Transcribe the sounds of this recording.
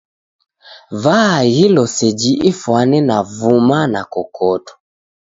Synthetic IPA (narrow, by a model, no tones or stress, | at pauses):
vahilɔsɛd͡ʒiʔifwanɛnavumanakɔkʰɔtɔ̥